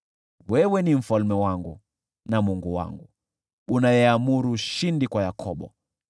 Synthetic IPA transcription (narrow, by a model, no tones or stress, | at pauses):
wɛwɛnim̩falmɛwaŋɡu | namuŋɡuwa̰ŋɡu | ɓunajɛamuɾuːʃindikwajakʰɔɓɔ̰